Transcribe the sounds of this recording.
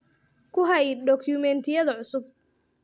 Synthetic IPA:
kʰʊɦɐjɖɔkʰjʊmɛnt̪ʰɪjɐðɐʕʊsʊb̚

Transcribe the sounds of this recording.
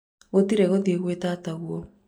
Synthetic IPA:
ɣotiɾɛɣoðieɣwetataɣwɔ

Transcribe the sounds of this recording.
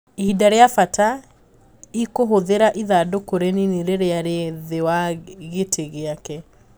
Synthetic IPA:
idaɾeafata | ikoɦoðeɾaʔiðadokoɾenineɾeɾeaɾeðewaɣetʰeɣeakɛ

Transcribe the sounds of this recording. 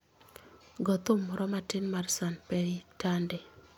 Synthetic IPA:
ɡɔt̪omɔɾɔmatɪnmarsanpɛɾitandɛ

